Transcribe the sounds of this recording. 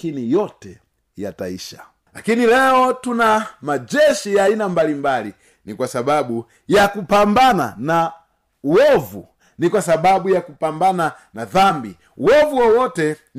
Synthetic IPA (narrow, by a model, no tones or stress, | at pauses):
kinijɔtɛ | ja̰taḭʃa | lakinilɛɔtunamad͡ʒɛʃijainambalimbali | nikwasabaɓu | jakupambana̰na | wɔvṵ | nikwasaɓaɓujakupambananaðambi | uwɔvuwɔwɔtɛ